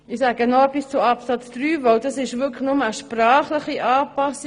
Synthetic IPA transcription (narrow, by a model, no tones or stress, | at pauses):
ɪsæːɡənɔpist͡sʊɑpsɑt͡sd̪̥ɾyːʋœwd̥ɑsɪʃʋʏkʰχnʊməəʃprɑːχləχiʔɑːpɑsi